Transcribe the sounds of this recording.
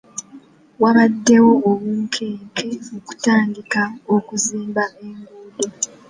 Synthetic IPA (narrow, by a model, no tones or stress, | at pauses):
waβadːe̞wo̞ːβuːŋkʰeːŋkʰe̞oku̥taːndikaokuziːmbaʔe̞ŋɡuːdo